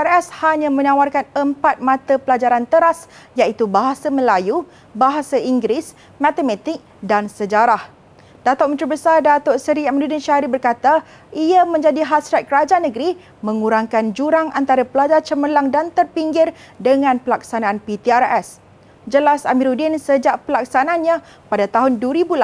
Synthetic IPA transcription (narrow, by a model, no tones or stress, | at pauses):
iarɛshaɲãmə̃nãwarkanəmpat̪̚mãt̪apəlad͡ʒaɾant̪əɾas | jait̪ubaɦasamə̃laju | baɦasaiŋɡɾɪs | mãt̪əmɛ̃t̪ik̚dansəd͡ʒaɾah | dat̪oʔ̚mənt̪ɾibəsardat̪osəɾiamadudinʃaɾibərkat̪a | iamə̃ɲd͡ʒadiɦasɾat̪̚kəɾad͡ʒanə̃ɡɾi | mə̃ŋuɾaŋkand͡ʒuɾaŋʔant̪aɾapəlad͡ʒart͡ʃəməlaŋdant̪ərpiŋɡɪrdəŋãnpəlaksanãːnpit̪iarɛs | d͡ʒəlasamĩɾudɪnsəd͡ʒaʔpəlak̚sanaanɲã | padat̪aɦʊnduəɾibula